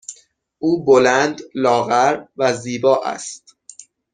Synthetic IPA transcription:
ʔuːbolænd̪lɒːɣæɾvæziːbɒːʔæ̰st̪

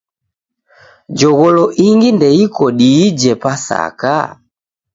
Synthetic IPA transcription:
d͡ʒɔɣɔlɔʔiŋɡindɛikɔɗiːd͡ʒɛpasa̰ka̰

